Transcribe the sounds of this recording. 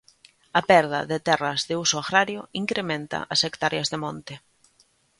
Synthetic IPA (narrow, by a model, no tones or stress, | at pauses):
ɐpɛɾðɐ̰ðɪt̪ɛrɐzðɪusoaɣɾaɾjoiŋkɾemẽnt̪ɐ̰ʔasekt̪aɾjazðemõnt̪ɪ